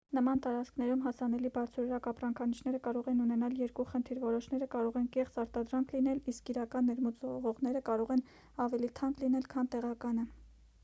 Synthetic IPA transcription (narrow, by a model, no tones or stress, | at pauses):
nəmɑnt̪ɑɾɑt͡skʰnɛɾumɦɑsɑnɛlibɑɾt͡sʰɔɾəɾɑkɑpɾɑŋkʰɑnit͡ʃʰn̪ɛɾəkɑɾɔʁɛnunɛnɑljɛɾkuχənt̪ʰiɾvɔɾɔʃnɛɾəkɑɾɔʁɛnkɛχt͡sɑɾt̪ɑd̪ɾɑŋkʰlin̪ɛliskiɾɑkɑnːɛɾmut͡sɔʁɔʁnɛɾəkɑɾɔʁɛn | ɑvɛlit̪ʰɑŋklinɛlkʰɑnt̪ɛʁɑkɑnə